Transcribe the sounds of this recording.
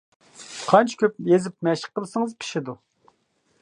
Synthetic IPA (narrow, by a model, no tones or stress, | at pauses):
qʰɑnt͡ʃʰi̥kʲøp̚jezɪp̚mɛʃɪ̥qːəlˠɨsɨŋɨzpʰi̥ʃɪd̪u